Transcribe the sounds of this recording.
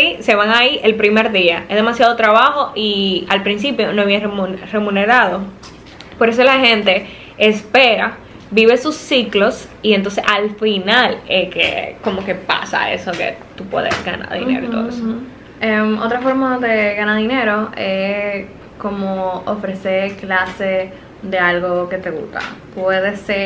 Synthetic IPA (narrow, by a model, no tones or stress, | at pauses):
ise̞βaŋaiʔe̞lpɾime̞ɾðiaʔezðe̞masjaðot̪ɾaβaho̞ʔialpɾinsipjo̞noβieremunre̞mũneɾaðo̞ | po̞ɾes̬olahe̞nt̪e̞ː | spe̞ɾa | biβesusːiklo̞s | ient̪o̞nsesalfinalekḛko̞mo̞ke̞pa̰sa̰ḛsokḛ | t̪upwḛðḛsɡa̰na̰ɾðḭneɾott̪oðoeso | emo̞̰t̪ɾafo̞ɾmaðeɣanaðine̞ɾo̞e | ko̞mooofɾe̞seɾklase | ðe̞alɣo̞ke̞t̪e̞ɣṵst̪a̰pwe̞ðese